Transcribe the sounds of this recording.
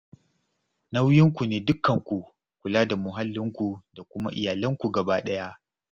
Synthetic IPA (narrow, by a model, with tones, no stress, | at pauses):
na˦wjɪ˦ŋkʷu˨neː˨dʊ˦kːɐ˨ŋkʷu˨ | kʷʊ˨laː˦da˨mʊ˨ɦa˦lːɪ˦ŋkʷu˨da˨kʷʊ˦ma˦ʔɪ̰˨jaː˨lɐ˦ŋkʷu˨ɡɐ˨baː˦ɗɐ˦ja˦ʔ